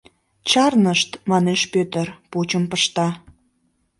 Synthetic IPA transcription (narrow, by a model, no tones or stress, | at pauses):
t͡ɕɑrnəʃt̪mɑneʃpøt̪ərput͡ɕəmpəʃt̪ɑ